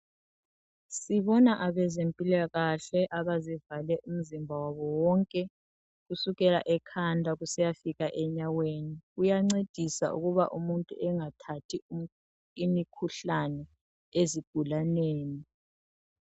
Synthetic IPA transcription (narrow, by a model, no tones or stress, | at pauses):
siβɔnaʔaβɛzempʼilaɣaɬɛʔaβazivalɛʔum̩zimbʱawaβɔwɔŋkʼɛ | ɣusuɣɛla̰ʔɛkʰandʱaɣusɛjafiɣaʔɛɲaweniɣujaŋ͡ǀed̥ʱisa̰ʔṵɣuβa̰ʔumuntʼṵʔɛŋatʰatʰi | imikʰuɬanɛ | eziɡ̥ʱulaneːni